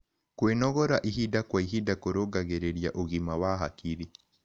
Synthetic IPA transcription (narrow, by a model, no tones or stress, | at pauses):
kwenɔɣɔɾaʔiɦidakwaiɦidakoɾoɡaɣeɾeɾjaʔoɣimawaɦakiɾi